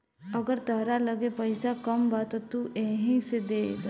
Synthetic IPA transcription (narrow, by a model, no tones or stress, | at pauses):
əɡəɾt̪əɦɾaləɡepəɪsakəmbat̪ɔt̪uʔẽːɦĩsed̪eːd